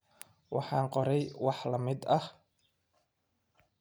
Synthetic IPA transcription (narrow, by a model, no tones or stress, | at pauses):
wɑħɑːɴqɔɾɛjwɑħlɐmɪd̪ɐh